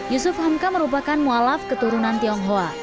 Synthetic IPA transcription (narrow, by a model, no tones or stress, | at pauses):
jusʊfhamkaməɾupakanmualafkət̪uɾunant̪iɔŋɦoa